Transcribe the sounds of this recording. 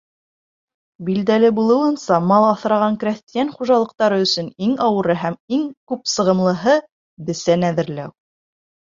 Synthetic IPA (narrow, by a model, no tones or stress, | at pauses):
bild̪ælɘbulˠɤ̆wɤ̆nsɑmɑlˠɑθɾɑʁɑŋkɾæθt̪ijænχuʒɑlˠɤ̆q̚t̪ɑɾɤɵ̆sɵniŋɑwɤ̆ɾɤɦæmiŋkʉpsɤ̆ʁɤ̆mlˠɤ̆ɦɤ | bɘ̆sænæðɘ̆ɾlæw